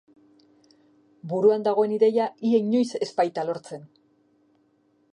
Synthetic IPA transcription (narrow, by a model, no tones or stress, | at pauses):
buɾuand̪aɣ̞o̞e̞niðe̞jaie̞ɲo̞jse̞spajt̪alo̞ɾt͡se̞n